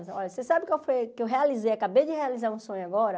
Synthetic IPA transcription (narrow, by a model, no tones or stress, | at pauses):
sɔʎɐsesabɪkawfojkewɦealizejɐkabejd͡ʒɪhealizaɾũsõɲʊaɡɔɾɐ